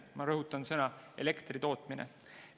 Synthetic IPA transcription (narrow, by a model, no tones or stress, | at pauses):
mɑɾɤɦut̪ːˑɑnsɤnɑe̞̰le̞kt̪rit̪o̞ːt̪ˑminḛ